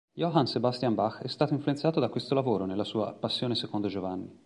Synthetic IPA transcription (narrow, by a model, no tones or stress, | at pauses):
joɦansebast̪jambaxːɛst̪aːt̪oiɱfluensaːt̪od̪akwest̪olavoːɾonelːasuːapasːjoːnesekond̪od͡ʒovanːi